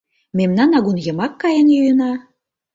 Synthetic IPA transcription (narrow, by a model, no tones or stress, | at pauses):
memnɑnɑɣunjɤ̆mɑkːɑjənjujənɑ